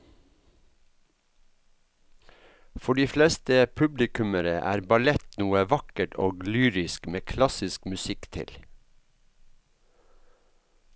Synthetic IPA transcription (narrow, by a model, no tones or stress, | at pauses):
fɔɖiːflɛst̪əpʰʉblɪkʉməɾəʔæ̰ːɾbɑlɛt̪nuːəʋɑkəʈʰo̰ːɡlyːɾɪskmeːkʰlɑsɪskmʉsɪkt̪ʰɪ̰l